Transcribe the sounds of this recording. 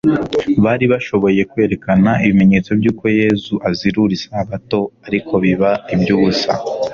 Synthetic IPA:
βaːɾiβaʃo̞βo̞je̞kwe̞ːɾe̞kanaʔiβime̞ɲe̞ːt͡so̞bjuːko̞je̞zuʔaziɾuɾisaaβato̞aɾikʰo̞βiβaibjuːβusa̰

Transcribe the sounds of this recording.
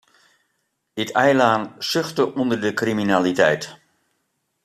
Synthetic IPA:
dɪtɛjlaːnsʏχtəʔɔndəɹdəkriminaːlitɛ̰jt

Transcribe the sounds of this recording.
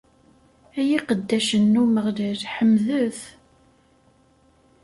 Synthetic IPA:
æjiqəd̪ːæʃənːuməʁliɾħəmðəθ

